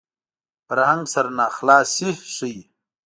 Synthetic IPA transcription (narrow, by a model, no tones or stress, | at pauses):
fəɾhaŋɡsɐɾnaːxlaːsihʂij